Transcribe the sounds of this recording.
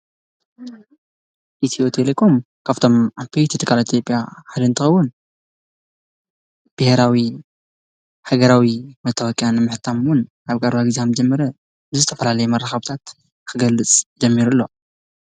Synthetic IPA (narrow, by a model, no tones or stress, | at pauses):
ʔit̪ʰiot̪ʰelekʰo̞m | kʰaβt̪ʰo̞mapejt̪ʰit̪ʰɨkʰʼalait̪ʰjo̞pʼjaħad̪ɐnt̪ʰɨxɐwːʊn | b̥ɨheɾawi | ħaɡɐɾawimɐt̪ʰːɐwɐkʼjanɨmɨħt̪ʰamwʊn | aβkʼaɾβaɡɨziamd͡ʒɐmːɐɾɐ | bɨzɨt̪ʰɐfɐlalɐjumɐɾːaxɐβt̪ʰat̪ | kʰɨɡɐlːɨt͡sʼd͡ʒɐmːiɾulːo̞